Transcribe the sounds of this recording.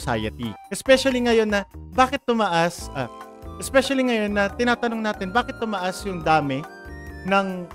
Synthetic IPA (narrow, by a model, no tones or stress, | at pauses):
sa̰jɐ̰t̪ḭʔɛspɛʃɐliŋɐjo̞nːɐbaːkɪt̪ːʊmɐʔasʔɐ | ʔɛspɛʃɐliŋɐjo̞nːɐt̪ɪnaːt̪ɐno̞ŋnaːt̪ɪnbaːkɪt̪ːʊmɐʔasjʊŋd̪aːmɪ | nɐŋ